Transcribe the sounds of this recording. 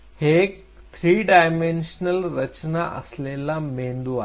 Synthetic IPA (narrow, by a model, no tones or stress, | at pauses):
hek̚ | t̪ʰɾiːɖaːjmẽnʃnəlɾɐt͡ɕnaʔɐ̰slelamẽːnd̪ua